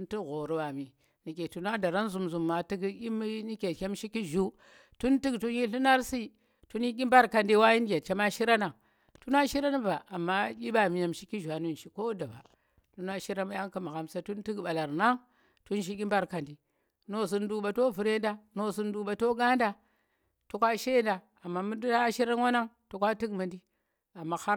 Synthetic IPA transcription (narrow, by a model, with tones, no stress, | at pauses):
tu˦ntu˦ɣo˨ɾu˨wa˨mi˨ | ni˨ke˨tu˨na˦da˨ɾa˦nzu˨mzu˨mːa˨ti˦ɡʲi˦m˦ni˦kʲe˨kʲe˦mʃi˦ki˦ʒu˦ | tu˦nti˦ɡtu˦n˦ji˦ɬu˦na˦ɾsi˦ | tu˦nji˦kʲi˦mba˦ɾka˨ndi˦wa˦ji˦n˦d͡ʒʲe˨t͡ʃe˦ma˦ʃi˦ɾa˦na˨ŋ | tu˦na˦ʃi˦ɾa˦n˦ba˨ʔa˨mːa˦kʲi˦ɓa˨mi˨ja˨mʃi˦ki˦ʒu˨a˨nu˦n˨ʃi˦ko˦da˨ba̰˨ | ɬu˦na˦ʃi˦ɾa˦ma˦ja˦ŋka˨ma˨ɣa˨msa˦tu˦nti˦kɓa˨la˨ɾna˦ŋ | tu˦nʃ̬i˦ɡʲi˦mba˦ɾka˨ndi˨ | no˦˨s̬u˦ndu˦ɓa˨to˦vu˨ɾe˦nda˦no˦˨s̬u˦n˦du˦ɓa˨to˦ɡa˦nda˨ | tu˦kʷa˦ʃe˦nda˨ | a˨mːa˨mu˦ndu˦ta˦ʃi˦ɾa˦nwa˦na˦ŋtu˨˦kʷa˦ti˦kma˨ndi˦ | a˨mːa˨ha˦